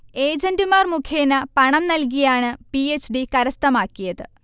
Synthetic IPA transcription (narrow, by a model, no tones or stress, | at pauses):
e̞ːd͡ʑɐndumaːrmukʰjeːnɐpɐɳɐmnɐlk̬ijaːɳɨpiet͡ɕːɖikɐɾɐst̪ɐmaːkːijɐðɨ